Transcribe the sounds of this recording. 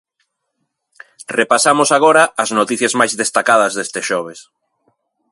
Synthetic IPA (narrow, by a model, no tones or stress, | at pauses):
repasamʊsaɣ̞oɾɐːznot̪iθjɐzmajzðest̪akað̞ɐzðest̪eʃɔβ̞es